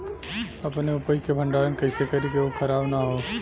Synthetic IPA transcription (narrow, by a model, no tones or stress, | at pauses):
ɐpneʊpəjkebʱə̃ɳɖaːɾənkɐɪsekɐɾikeokʰəɾaːbnaɦoː